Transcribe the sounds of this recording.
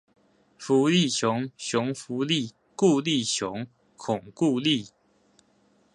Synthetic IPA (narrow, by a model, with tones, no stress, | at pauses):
fu˨˦li˥˨ɕjʊ˨˧˦ŋɕjʊ˨˦ŋfu˨˦li˥˨ | ku˥˧li˥˨ɕjʊ˧˦ŋ | kʰʊ˨˩ŋku˥˧li˥˨